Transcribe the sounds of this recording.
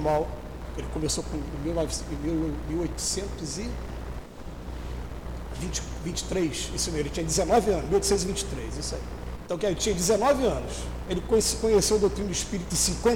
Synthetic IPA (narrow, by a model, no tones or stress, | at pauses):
maw | elɪkomesokõmiwavsĩmiwmiwojt̪u̥sẽnt̪ʊzɪ | vĩt͡ʃ | vĩnt͡ʃɪ̥t̪ɾejʃismewelɪt͡ʃĩɲɐd͡ʒ̪ɪzenɔvɪɐ̃nʃmiwojt̪sẽt̪zivĩt͡ʃɪ̥t̪ɾejzisaḭ | ẽt̪ɐ̃w̃kaelt͡ʃĩɲɐd͡ʒ̪ɪzenɔvɪɐ̃nʊʃ | elɪkõskõɲesewɐd̪owt̪ɾinʊd̪iʃpiɾit̪ʊɪsĩkwẽ